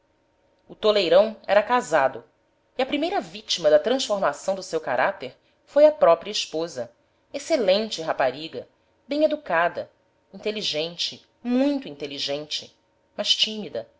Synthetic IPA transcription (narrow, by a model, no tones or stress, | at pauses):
ʊt̪olejɾɐ̃w̃ɛɾɐkazad̪ʊ | iɐpɾimejɾɐvit͡ʃimɐd̪ɐt̪ɾɐ̃sfoɾmasɐ̃w̃d̪ʊsewkaɾʔat̪eɾ | fojɐpɾɔpɾiɐiʃpozɐ | eselẽnt͡ʃɪɦapaɾiɡɐ | bẽj̃ed̪ukad̪ɐ | ĩnt̪eliʒẽnt͡ʃɪ | mũj̃t̪ʊĩnt̪eliʒẽnt͡ʃɪ̥ | mɐʃt͡ʃĩmid̪ɐ